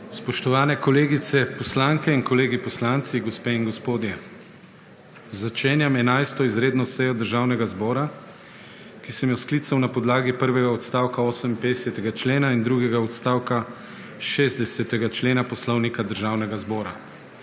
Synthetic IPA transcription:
spɔʃt̪ɔʋaːnɛkɔleːɡit̪sɛpɔslaŋkɛinkɔleːɡipɔslant̪siɡɔspeːiŋɡɔspoːd̪jɛ | zat͡ʃeːnjamɛnajst̪ɔizɾeːd̪nɔsɛjɔd̪əɾʒaːwnɛɡazbɔːɾa | kisɛmjɔskliːt̪sawnapɔd̪laːɡipəɾʋɛɡaɔt̪st̪aːwkaoːsɛmimped̪ɛsɛt̪ɛɡat͡ʃleːnaind̪ɾuːɡɛɡaɔt̪st̪aːwka | ʃeːzd̪ɛsɛt̪ɛɡat͡ʃleːnapɔslɔwnikad̪əɾʒaːwnɛɡazbɔːɾa

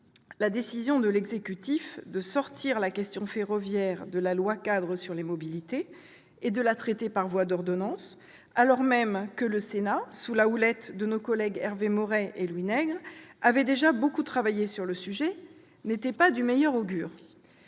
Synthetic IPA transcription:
lad̪esizjɔ̃d̪əlɛɡzekʲyt̪ifd̪əsɔʁt̪ʰiʁlakʲɛst̪jɔ̃feʁɔvjɛʁd̪əlalwakad̪ʁəsyʁlemɔbilit̪eː | d̪əlat̪χɛt̪epaʁvwad̪ɔʁd̪ɔnɑ̃s | alɔʁmɛmkələsenasulaulɛt̪d̪ənokɔlɛɡɛʁvemɔʁɛʔelwinɛɡʁavɛd̪eʒabokut̪χavajesyʁləsyʒɛ | net̪ɛpad̪ymɛjœʁoɡʲyːʁ

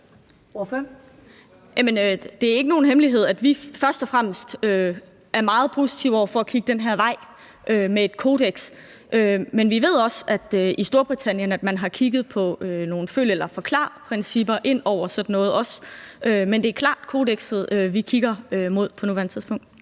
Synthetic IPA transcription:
fø | jæmənød̥e̝æɐe̝ɡ̥əno̝ːn̩ɦemliɦe̝ð̞̰ˠæd̥ʋifɶɐsd̥ɒ̽fʁam̰əsd̥ø | ʔæɐmɑ̈ːð̩ˠpʰo̝ːsi̥t͡sʰiʊɒ̰ɐfɒ̽ækʰiɡ̥əd̥enɦæɐ̰ʋɑ̈ɪ̰ | ʔømee̝d̥kʰo̝ːd̥eɡ̥s | ʔømenʋiʋe̝ð̞̰ˠɒ̽sæd̥øisd̥o̝ɐb̥ʁit͡sʰæn̰jənæd̥mænɦɑ̈kʰiɡ̥ð̞̩ˠpʰɒ̽øno̝ːn̩føl̰jəelɐfɒ̽kʰlɑ̰̈ːpʰʁɛnsib̥ɐʔe̝n̰ɒʊ̰ɐsɒ̽d̥n̩ːɔ̽ːð̩ˠɒ̽sømend̥e̝æɐkʰlɑ̰̈ːd̥kʰo̝ːdeɡ̥sð̩ˠøʋikʰiɡ̥ɐømo̝ð̰ˠpʰɒ̽nuʋæɐnət͡sʰiðˠsb̥ɔ̽ŋ̰d̥

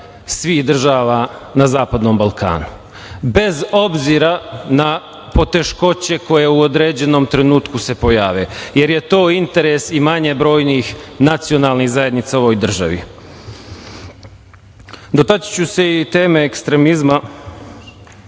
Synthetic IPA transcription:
sʋiːxd̪r̩ʒaːʋaːnazaːpad̪no̞ːmbalˠkʰa̰ːnu | be̞zo̞bziːɾana | po̞t̪e̞ʃko̞t͡ɕe̞ko̞je̞uod̪ɾeːd͡ʑe̞no̞mt̪ɾe̞nuːt̪kuse̞po̞jaːʋḛje̞ɾjet̪o̞ːint̪e̞ɾesimaɲe̞bɾo̞ːjniːxnat̪sio̞naːlˠniɣzaje̞d̪nit̪sao̞ʋojd̪r̩ʒa̰ʋḭ | d̪o̞t̪at͡ɕi̥t͡ɕuse̞it̪e̞ːmeːkst̪ɾe̞mizma

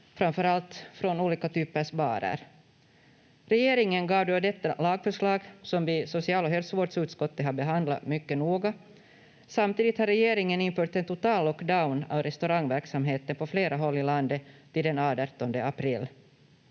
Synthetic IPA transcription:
fɾamfœɾalt̪fɾɔnuːliːkat̪ʰyːpəʂbɑ̰ːɾə̰ɾ | ɾɛjeːɾɪŋənɡɑːvd̪ʉad̪ɛt̪ːalɑːɡfœʂɭɑːɡsɔmvɪsʊsɪɑːlɔɦɛlsvoːɖsʉːt̪skɔt̪ːəɦaɾbɛɦand̪la̰mʏkːənuːɡa | samt̪iːd̪ɪt̪haɾɛjeːɾɪŋənɪnfœːʈ̪ɛnt̪ʊt̪ɑːllːɔkd̪aʊna̰vɾɛst̪ʉɾaŋːvæɾksamɦeːt̪ənpʰɔfleːɾʔaɦɔlːɪland̪ət̪ʰɪld̪ɛnɑːd̪əɾt̪ːɔnd̪əapʰɾɪlː

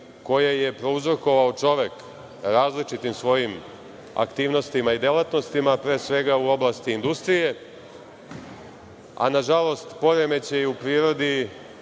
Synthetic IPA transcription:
ko̞jeje̞pɾo̞uzɾoko̞ʋaot͡ʃo̞ʋe̞k | ɾaːzlit͡ʃit̪imsʋo̞jim | a̰kt̪iːʋno̞st̪imaid̪e̞lat̪no̞st̪imapɾe̞ːsʋe̞ɡauo̞blˠast̪iːnd̪ust̪ɾije̞ | a̰naʒalˠo̞st̪po̞ɾeme̞t͡ɕe̞upɾiːɾo̞d̪i

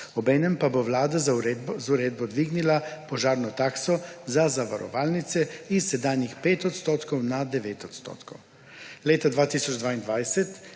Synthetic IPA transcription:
ɔbɛːnɛmpabowlaːd̪azuɾeːd̪bɔd̪ʋiːɡnilapɔʒaːɾnɔt̪aːksɔzazaʋaɾɔ̰ʋaːlnit̪sɛisːɛd̪aːnjixpeːt̪ɔt̪st̪oːt̪kɔwnad̪ɛʋeːt̪ɔt̪st̪o̰ːt̪kɔw | leːt̪ad̪ʋaːt̪isɔd͡ʒd̪ʋaːind̪ʋajsɛt̪

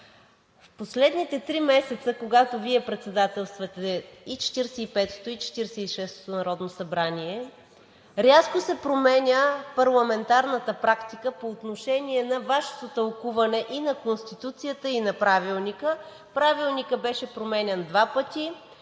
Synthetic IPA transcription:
fposlɛd̪nit̪ɛt̪ɾimɛsɛt̪səkoɡat̪oviɛpɾɛt̪sɛd̪at̪ɛlˠst̪vɐt̪ɛit͡ʃɛ̥t̪iɾsɛipɛt̪o̥t̪oit͡ʃɛ̥t̪iɾsɛiʃɛst̪o̥t̪onɐɾɔd̪nosɐbɾaniɛ | ɾʲaskosɛpɾomɛnʲəpɐɾlˠɐmɛnt̪aɾnət̪əpɾakt̪ikəpoːt̪noʃɛniɛnɐvaʃo̥t̪ot̪ɐlˠkuvɐnɛʔinɐkonst̪it̪ut̪sijət̪əinɐpɾavilˠnikə | pɾavilˠnikəbɛʃɛpɾomɛnʲɛnd̪vapət̪i

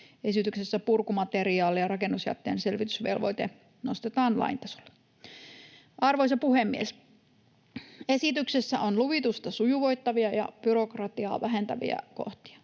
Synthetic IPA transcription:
e̞sit̪yksesːæpurkumɑt̪eɾiɑːlijɑɾɑkenːusjæ̰t̪ːḛːnselʋit̪ysʋḛlʋo̞̰jt̪e | nost̪et̪ɑːnlɑ̰int̪ɑso̥lːe̥ | ʔɑrʋojsɑpuhemːies | e̞sit̪yksesːæʔonluʋit̪ust̪ɑsujuʋo̞jt̪ːɑʋiɑjɑ̰b̥yɾo̞krɑt̪iɑ̰ːʋæɦe̞nt̪æʋḭæ̰ko̰ht̪i̥ɑ̥

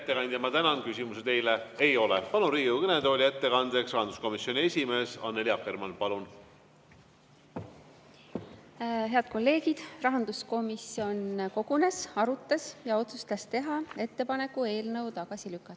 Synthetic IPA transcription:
et̪ːˑe̞kɑnd̪̥ʲjɑmɑt̪ænɑnkysʲimuset̪e̞jlee̞jo̞lɛpɑlunriːukɤned̪o̞ːlʲiet̪ːe̞kɑnd̪eksrɑhɑnd̪u̥sko̞misːo̞nʲie̞sʲime̞ːsɑnːeliɑkːˑermɑnpɑlun | ɦe̞ɑd̪̥̚ko̞lːe̞ːɡid̪̥rɑɦɑnd̪̥usko̞misio̞nko̞ɡ̥une̞sɑɾut̪ːˑɑsjɑo̞t̪sust̪ɑst̪e̞ɦɑe̞t̪ːe̞pɑne̞kːˑue̞ːlnɤwt̪ɑɡ̥ɑsilykːˑɑt̪ː

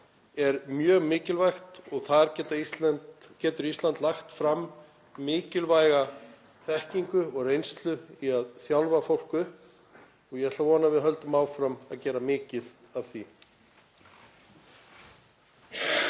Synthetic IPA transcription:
ɛɾmjœːɣmɪːcɪlvajxt̪ɔɣθaðɾcɛːt̪aisant̪cɛːt̪ʏɾist̪lant̪laxt̪fɾamː | ɪːcɪlvajɣa | θɛhciŋkʏɔɣrejnst̪lʏiaðθjawlvafowl̥kʏhp | ɔɣjɛɛt̪lavɔːnavɪðɦœlt̪ʏmaːwfɾama̰ðcɛːɾamɪːcɪð | av̥θi

